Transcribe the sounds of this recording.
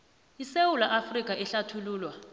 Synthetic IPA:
isewulaʔafrik̬ʼaʔɛɬatʰuluːlwa

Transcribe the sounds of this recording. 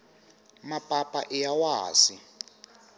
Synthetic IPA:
mapʼapʼaʔijawaːsi

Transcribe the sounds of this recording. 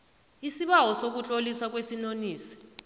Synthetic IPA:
isiɓawɔsok̬ut͡ɬʼoliswak̬wesinoniːsi̥

